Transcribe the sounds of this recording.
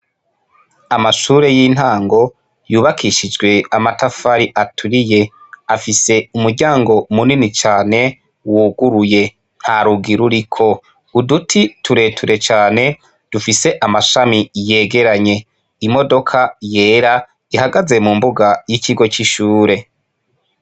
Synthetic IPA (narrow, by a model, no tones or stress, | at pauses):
amaʃuːɾe̞jiːn̥haːŋɡo̞ | juːβakʰiʃid͡ʒɡwe̞amatafaɾiʔatʰuɾije̞ | afise̞umuɾɟaːŋɡo̞muninit͡ʃaːne̞ | wuɡuɾuje | n̥haɾuɡiɾuɾikʰo̞ | udutʰitʰuɾe̞ːtʰuɾe̞t͡ʃaːne̞ | d̥ufise̞ʔamaʃamije̞ːɡe̞ɾaɲe̞ | imo̞do̞kʰaje̞ːɾa | ihaɡaze̞mumbuɡajiciɡo̞t͡ʃiʃuːɾe̞